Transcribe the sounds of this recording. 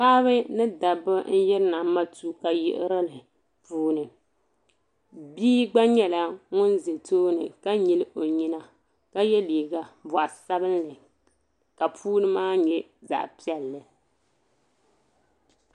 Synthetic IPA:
paː˦βɨ˦nɨ˦da˨bɨ˦n̩˦jɛ˦ɾɨ˦na˨˦ma˦tu˦ka˨jɪ̰˦ʔɪ̰˦ɾɨ˦lɨ˨ | puː˦nɨ˨ | biː˦ɡ͡ba˦ɲɛ˦la˨ŋʊ˦nze˨toː˦nɨ˨ka˦ɲi˨lɨ˦ʔo˨ɲi˦na˦ | ka˦jɛ˦liː˨ɡa˨bɔ˨a˨sa˦bɨ˦n˦lɨ˨ | ka˨pʰuː˦nɨ˦maː˦ɲɛ˨ | za̰˨ʔpi˦ɛ˨lːɨ˨

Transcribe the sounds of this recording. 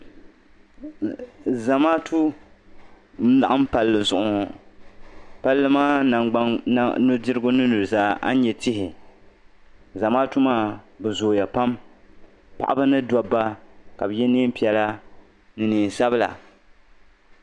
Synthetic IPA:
za˨maː˦tʰu˦ | la˨ʔa˦m˦pa˨lːɨ˨zʊ˨ʔʊ˨ | pa˦lːɨ˦maː˦na˨a˦nʊ˦dɪ˦ɾɡʊ˦nɨ˦nu˨ɾɨ˨zaː˦ʔa̰˦ɲɛ˨tɪ˦hɪ˨ | za˨maː˦tu˦maː˦bɛ˨zoː˨ja˨pa˦m | pa̰˨ʔa˦ba˦nɨ˦dɔ˦bːa˦ka˨bɨ˨jɛ˦ni˦m˦pi˦ɛ˨la˦ | nɨ˨niː˨n˨sa˦bɨ˦la̰˨

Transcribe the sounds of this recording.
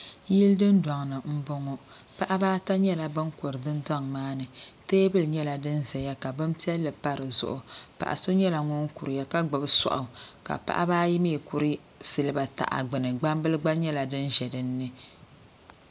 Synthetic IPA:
ji˦ldɨ˦ndwa˨ŋnɨ˨m̩˦bo˦ŋɔ˦ | pa˦ʔa˦baː˦ta˦ɲɛ˦la˨bɨ˦ŋko˨ɾɨ˨dɨ˦ndwa˦ŋmaː˦nɨ˨teː˦bɨ˦lɨ˨ɲɛ˦la˨dɨ˦nzɛ˨ja˦ka˨bɨ˦mpi˦ɛ˦lːɨ˨pa˦ɾɨ˨zʊ̰˦ʔʊ˨pa̰˨ʔa̰˨so˦ɲɛ˦la˨ŋɔ˦ŋ˦ku˨ɾɨ˨ja˦ka˦ɡ͡bɨ˨bɨ˦sɔ̰˨ʔʊ˨ka̰˨pa̰˦ʔa˦baː˦ji˦me˦˨ku˦ɾɨ˦ | sɨ˨lɨ˦ba˨ta̰˨ʔa̰˨ɡ͡bɨ˨nɨ˨ɡ͡ba˦mbɨ˦lɨ˦ɡ͡ba˦ɲɛ˦la˨dɨ˦nʒɛ˨dɨ˦nː˦ɨ˦

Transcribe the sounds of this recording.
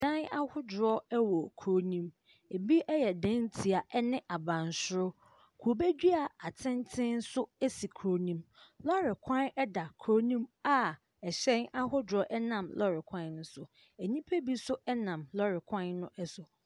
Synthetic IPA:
dã˦na˦hʊ˦dʊ˨ɾɔ˦ɛ˦wɔ˨kʰɾo˦nĩ˦m | e˨bi˦ʔɛ˦jɛ˨dɛ̃˦ntʰi˨a˨ʔɛ˦nɪ̃˦ʔa˨bã˨n˨sʊ˦ɾʊ˦ | kʰu˨o˨be˦d͡ʑᶣi˦a˨a˨tʰɪ̃˦ntʰɪ̃˦n̩˦sʊ˦ɛ˦si˨kʰɾo˨nĩ˦mlɔ˦ɾɪ˨kʰã˦nɛ˦da˨kʰɾo˦nĩ˦ma˦˨ | ɛ˨ɕɛ̃˦na˦hʊ˦dɾɔ˦ʔɛ˦nã˨mlɔ˦ɾɪ˨kʷʰã˦nn̩˦sʊ˨ | æ˨ɲĩ˦pʰe˦bi˦sʊ˦ɛ˦nã˨mlɔ˦ɾɪ˨kʰã˦nnːʊ̃˦ʔɛ˦sʊ˨

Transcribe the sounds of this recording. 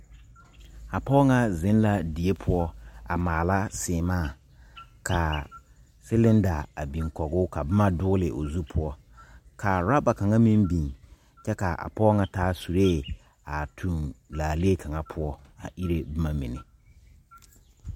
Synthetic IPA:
a˨pɔː˦ŋa˦zɪ̃˦nla˦di˨e˦pʰʊ˦ɔ˦a̰˨maː˨la˦sɪː˨maː˦˨ | kʰa˨ | sɪ˦lɪ̃˦n˦da˨a˨bĩ˨ŋkɔ˨ɡʊ˦ka˨bɪ˦ma˦dʊ˦lɪ˨ʔo˨zu˦pʰʊ˦ɔ˦ | kʰa˨ɾa˦ba˨ka˨ŋa˦mĩ˦mbi˨ŋ | t͡ʃɛ˦ka˨ʔa̰˨pɔ˦ŋa˨taː˦su˨ɾe˦˨ | a˨tʰũ˨nlaː˨le˦˨kʰa˨ŋa˦pʰʊ˦ɔ˦a̰˨ʔi˦ɾe˦bɪ˦ma˦mḭ̃˨nɪ̰˨

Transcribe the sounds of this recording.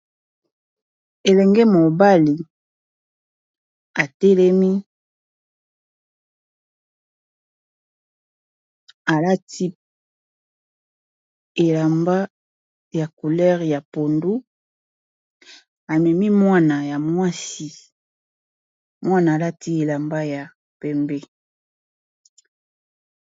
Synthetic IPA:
e˨lɛ˨ŋɡɛ˦mo˨ba˦li˨ | a˨tɛ˦lɛ˦mi˦ | a˨la˦ti˦ | e˨la˨mba˦ | ja˨ku˨lɛ˦ʁja˨po˨ndu˦ | a˨mɛ˨mi˦mwa˦na˨ja˨mwa˦si˦ | mwa˦naː˨la˦ti˦e˨la˨mba˦ja˨ | pɛ˨mbɛ˦

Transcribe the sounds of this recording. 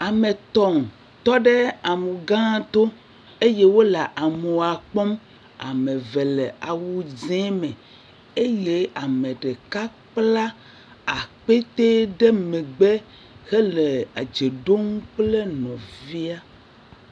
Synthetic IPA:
a˨me˨t̪ɔ˦ŋ˨ | t̪ɔ˦ɖɛ˦a˨mu˨ɡã˦t̪o˦ | e˦je˦wo˦la˨ʔa˨me˨wa˨k͡pɔ˦m | a̰˨me˨ve˨lɛ˨a˨wu˦zɛ̃˦mɛ̃˨ | e˦je˦a˨mẽ˨ɖe˨ka˦ | k͡pla˦ | a˨k͡pe˦t̪e˦ɖɛ˦mẽ˨ɡ͡bɛ˦ | hɛ˦le˨a˨d͡ʒe˨ɖo˦ŋ˦k͡ple˦nɔ̃˨vi˦a˦

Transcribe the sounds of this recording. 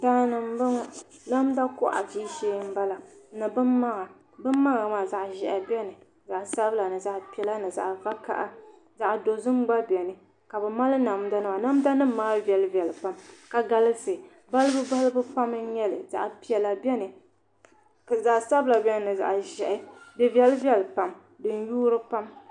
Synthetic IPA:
daː˦nɨ˨m˦bɨ˦ŋ˨na˦mda˦kʊ˦ʔa̰˨d͡ʒiː˦ʃeː˦m̩˦ba˦la˨nɨ˨bɨ˦mːa˦ŋa˨ | bɨ˦mː˦a˦ɣa˨maː˨za˨ʔʒɛ˨ʔa˨bʲɛ˦nɨ˨ | za˨ʔsa˦bɨ˦la˨nɨ˨za˨ʔpi˨ɛ˨la˦nɨ˨za̰˨ʔva˦ka̰˦ʔa̰˦ | za˨ʔdo˨zɨ˦m˦ɡ͡ba˦bʲɛ˨nɨ˨ | ka˨bɨ˨ma˦lɨ˦na˨m˦da˦nɨ˦a˨na˦m˦da˦nɨ˦m˦maː˦vɛ˨lɨ˦vi˨ɛ˨lɨ˨pa˦mka˨ɡa˨lɨ˦sɨ˨ | ba˦lɨ˦bɨ˦ba˦lɨ˦bɨ˦pa˦mɨ˦ɲɛ˦lɨ˨za̰˨ʔpi˨ɛ˨la˨bɛ˦nɨ˨ | kza˨ʔsa˦bɨ˦la˨bʲɛ˦nɨ˨nɨ˨za̰˨ʔʒɛ˨ʔɪ˦bɛ˦vi˦ɛ˦lɨ˦vi˦ɛ˦lɨ˨pa˦m | dɨ˨n˦juː˦ɾɨ˦pa˦m

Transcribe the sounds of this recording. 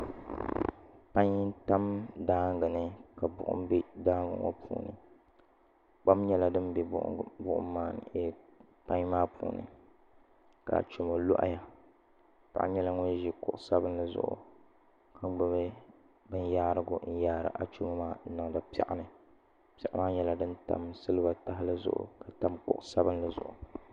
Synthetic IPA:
pa˦ɲ˦ta˦mdaː˦ŋ˦ɡɨ˨nɨ˦ka˨bʊ̰˨ʔʊ̰˦m˦bi˦daː˦ŋɡɨ̰˨ŋa̰˦pʰṵː˨nɨ̰˨ | k͡pa˦mɲɛ˦la˦dɨ˦m˦bɛ˦bʊ˦ʔʊ̰˦mː˦aː˦˨n˨ɛ˦ | pã˦ɲ˦maː˦pʰṵː˨nɨ̰˨ | ka̰˨t͡ʃo˨mo˨lo̰˦ʔa̰˦ja˨ | pa̰˨ʔɲɛ˦la˦ŋo˦ʒi˦kʊ˦ʔʊ˨sa˦bɨ˦n˦la˨zʊ̰˨ʔʊ̰˨ | ka˦ɡ͡bɨ˨bɛ˦ | bɨ˦n˦jaː˦ɾɨ˦ɡʊ̰˨n̩˦jaː˦ɾɨ̰˨ʔa˨t͡ʃo˦ma˦maː˦nɨ˨ŋ˨da˨pɛ̰˦˨ʔa˦nɨ˨ | pɛ˨ʔa˦maː˦ɲɛ˦la˨dɨ˦n˦ta̰˨msɨ˦lɨ˦ba˨ta˦ɦɪ˦lɨ˦zʊ̰˨ʔʊ̰˨ka˨ta˨mkʊ̰˦ʔsa˦bɨ˦la˨zʊ̰˨ʔʊ̰˨

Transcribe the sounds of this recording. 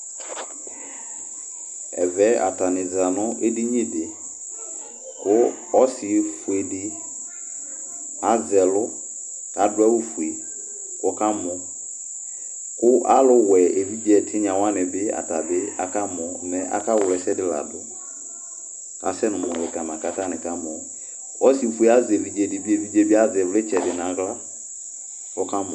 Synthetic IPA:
ɛ̰˨vɛ˦a˨ta˨nɪ˨za˨nʊ˦ʔe˦di˦ɲĩ˦dɪ˨ | kʊ˦ | ɔ˦sɪ˨e˨fu˨e˨dɪ˦ | a˦zɛ˨lʊ˦ | ta˨˦dʊ˦a˦wu˦fu˨e˨ | kka˦mʊ̃˨˦ | kʊ˦ʔa˦lʊ˦wɛ˨e˨vi˦bi˦ɛ˨tʰɪ˦ɲ˦ã˨wã˦nɪ˨bɪ˦a̰˨ta˨bɪ˦a̰˨ka˦mɔ˨nɛ˨ʔa̰˨ka˦wʊ˨lɛ˨sɛ˦dɪ˦la̰˨dʊ˨ | a̰˨sɛ˦nʊ̃˨mɔ˨lɪ˨ka˨mã˨ka˦ta˦nɪ̃˨ka˦mɔ˨ | ɔ˦si˦˨fu˦e˨a˦zɛ˨vi˨d͡ʒe˨dɪ˨bi˦e˨vi˨d͡ʒe˦bɪ˦a˦zɛ˨vʊ˦lɛ˦t͡ʃɛ˨dɪ˨nã˨˦ɣla˦ | ʊ˦ka˦mɔ̃

